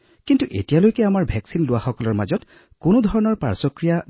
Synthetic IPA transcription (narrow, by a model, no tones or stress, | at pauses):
kintuʔḛtijalojkɛamaɹbʱɛksinlʊwaxɔkɔlɔɹma̰zɔt | kʊnudʱɔɹɔnɔɹpa̰ɹsɔkɹija